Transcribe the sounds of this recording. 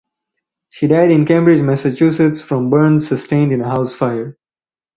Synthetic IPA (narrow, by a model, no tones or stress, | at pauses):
ʃiːɖaɪɾɪ̃nkẽmbɾɪd͡ʒmæsət͡ʃuːsɪtsfɾɔ̃mbəɾnzsəsʈẽɪ̃nɖɪ̃nəɦaʊsfaɪəɾ